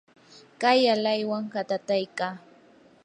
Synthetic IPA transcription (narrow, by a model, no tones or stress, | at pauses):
kajalajwaŋkat̪at̪ajkaː